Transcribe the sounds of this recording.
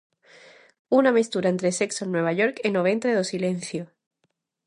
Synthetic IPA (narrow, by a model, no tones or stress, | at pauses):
unamist̪uɾaent̪ɾese̞ksonwe̞β̞aʝo̞ɾkenoβ̞e̞nt̪ɾeðosile̞n̟θjo